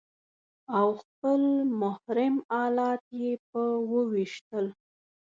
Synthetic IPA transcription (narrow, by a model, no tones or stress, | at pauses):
awxpəlmʊhɾɪmɑlɑt̪jep̚əwəwiʃt̪əl